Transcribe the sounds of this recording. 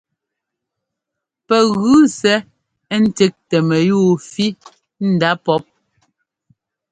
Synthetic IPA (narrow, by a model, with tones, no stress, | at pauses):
pɛ˨ɣʉ˦sɛ˦ | n̩˦te˦k̚tɛ˨mɛ˨juː˦˨fi˦ | n̩˨da˦pɔ˦p̚